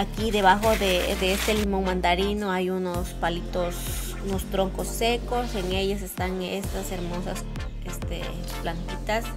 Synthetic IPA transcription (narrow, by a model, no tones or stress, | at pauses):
akiðeβaxoðed̪eest̪elimo̞ŋmãnd̪aɾinoajunospalit̪os | unost̪ɾoŋkosːekoseŋeʎas̬est̪aŋ | ḛst̪aseɾmosas | est̪ḛ | plant̪it̪as